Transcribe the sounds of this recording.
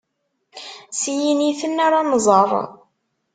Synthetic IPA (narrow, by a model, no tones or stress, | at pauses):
sijiniθənːaɾanzˤəɾˤ